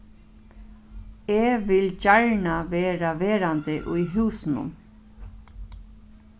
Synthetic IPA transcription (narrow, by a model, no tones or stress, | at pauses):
eːʋɪlcaɹɳaʋeːɾaʋeːɾant̪ɪʔʊjɦʉːsnʊ̰m